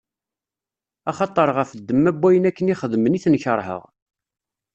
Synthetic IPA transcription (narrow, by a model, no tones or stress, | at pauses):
ɑχɑt̪ˤːəɾˤʁəfəd̪ːəmːæbʷːæjənækːəniχəðməniθnçəɾˤhə̰ʁ